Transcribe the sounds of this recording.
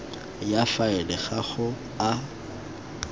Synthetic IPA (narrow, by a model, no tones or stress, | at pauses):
jafaɪlɪχaχʊ | a